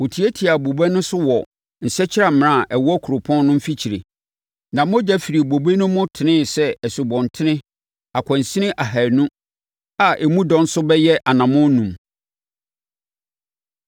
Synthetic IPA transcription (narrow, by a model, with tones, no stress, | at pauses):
wo˨tʰi˨æ˦tʰi˨a˨bo˨bɛ˦nʊ̃˦sʊ˦wɔ˨ | n̩˨sɛ˦t͡ɕʰɪ˦ɾa˨m̃˨nã˦˨ʔɛ˨wɔ˦kʰu˨ɾʊ˨pʰɔ̃˦n˦nʊ̃˦m̩˦fi˦t͡ɕʰi˨ɾḛ˨ | nã˨m˦ʊ̃˦d͡ʑa˦fi˨ɾi˨bo˨be˦nʊ̃˦mʊ̃˦tʰɪ˨nɪ̃˦sɛ˦ɛ˨su˨bɔ̃˨ntʰɪ˦nɪ̃˦ | a˨kʷʰɔ̃˨n˨sĩ˦nɪ̃˦ʔa˨ɦæ˨nũ˦ | a˨ʔe˨mũ˦dɔ̃˨n̩˦sʊ˦bɛ˦jɛ˦ʔa˨nã˨mʊ̃˦nũ˨m